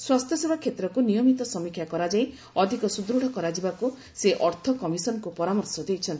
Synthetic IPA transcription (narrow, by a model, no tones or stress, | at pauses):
swast̪ʰjɔsebʱakʰet̪ɾɔkunijɔmit̪ɔsɔmikʰjakɔɾad͡ʒaij | ɔd̪ʱikɔsud̪ɾuɽ̤ɔkɔɾad͡ʒibaku | seʔɔɾt̪ʰɔkɔmisɔnɔkupɔɾamɔɾsɔd̪ejt͡ʃʰɔnt̪